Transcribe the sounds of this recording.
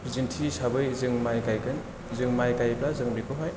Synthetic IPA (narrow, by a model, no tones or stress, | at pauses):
zintʰisabɯjzɯŋmajkajkɯn | zɯŋmajkajplazɯŋbikɯɦaj